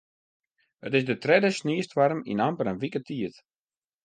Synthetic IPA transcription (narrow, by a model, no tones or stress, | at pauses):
ətɪsdətrɛdəsniəstʋaɾmḭnampəɾənʋikətʰiət